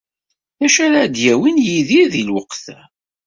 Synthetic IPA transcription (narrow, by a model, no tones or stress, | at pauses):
æʃæɾad̪jæwinjiðiðilwəqθæ